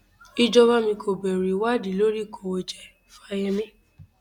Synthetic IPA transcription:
i˧d͡ʒɔ˧ba˦mĩ˧kʰo˨bɛ˨ɾi˨wa˦˨di˨˦lo˦ɾi˦˨kʰo˨wo˧d͡ʒɛ˨ | fa˦˧˦jɛ˧mĩ˦

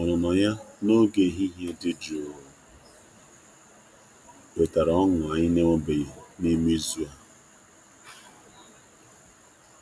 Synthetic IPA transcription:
ɔ˨nɔ˨nɔ˨ɲa˦no˦ɡe˨ɦi˦ɦe˦dɪ˦d͡ʒo˨ɾ | e˨ta˨ɾɔ˦ŋʊ˨a˨ɲɪ˦ne˦mʊ˦be˨ɣe˨ni˦mi˦zu˦a˦

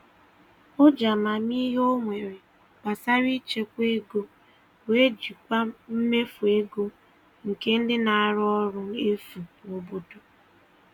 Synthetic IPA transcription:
o˦d͡ʒa˨ma˨mi˦ɦo˦ŋʷe˨ɾe˨ | ba˨sa˦ɾi˦t͡ʃe˦kʷe˦ɡo˦ | we˦d͡ʒi˨kʷa˦m̩˦me˦fu˨e˦ɡo˦ | ŋ̩˨ke˦n̩˦dɪ˦na˨a˦ɾɔ˦ɾʊ˦e˦fu˨o˨bo˦to˨

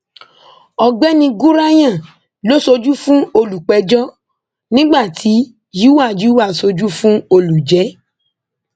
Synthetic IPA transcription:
ɔ˨ɡ͡bɛ˦nĩ˧ɡu˦ɾa˦j̃ã˦˨ | lo˦so˧d͡ʒu˦fũ˦o˧lu˨k͡pɛ˨˧d͡ʒɔ˦ | nĩ˦ɡ͡ba˦˨tʰi˨˦ | ji˦wa˦˨d͡ʒi˨˦wa˦˨so˧d͡ʒu˦fũ˦o˧lu˨d͡ʒɛ˨˦

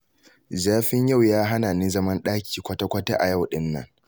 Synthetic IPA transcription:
zaː˦ɸɪ˦ɲja˦˨wjaː˦ɦa˦na˨nɪ˦zɐ˦mɐ˦nɗaː˦kʲi̥ː˨kʷɐ˦ta˦kʷɐ˦ta̰˦ʔa˨ja˦˨wɗɪ˦nːɐ̰˦ŋ

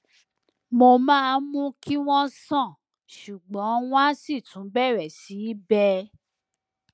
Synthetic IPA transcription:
mo˧mãː˦mũ˦ki˦w̃ɔ̃˦sɔ̃˦˨ | ʃu˨ɡ͡bɔ̃˨˦w̃ɔ̃˦si˦˨tũ˨˦bɛ˦˨ɾɛ˨si˨˦bɛ˦

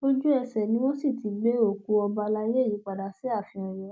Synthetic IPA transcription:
o˦d͡ʒu˦ɛ˧sɛ˨nĩ˦wõ˦si˦˨ti˨˦ɡ͡be˦o˦˨ku˧ɔ˧ba˧la˧je˦e˦˨ji˨˦k͡pa˨da˨si˦a˦˨fĩ˧ɔ̃˨ɾɛ˨˦

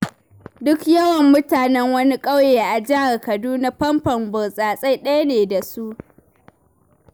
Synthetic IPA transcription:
dʊ˦kjɐ˦wɐ˨mːʊ˦taː˨nɛ˦ŋwɐ˦ni˦kʼɐ˦wjeː˨ʔa˨d͡ʒɪ˦a˨rkɐ˨duː˦na˦pɐ˦mpɐ˨mbʊ˨sʼaː˨sʼa˦jɗɐ˦ja˦neː˨da˨su˦ʔ

